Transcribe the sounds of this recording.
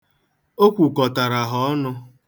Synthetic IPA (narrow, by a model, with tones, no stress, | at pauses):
o˦kʷu˨kɔ˨ta˨ɾa˨ɦɔ˨ɔ˦nʊ˧